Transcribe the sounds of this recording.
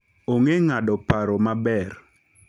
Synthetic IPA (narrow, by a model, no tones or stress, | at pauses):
oŋeŋaɗɔpaɾɔmabɛr